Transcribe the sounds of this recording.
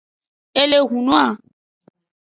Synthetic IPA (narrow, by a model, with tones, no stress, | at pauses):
e˦le˨ɣũ˨nũ˦a˦˨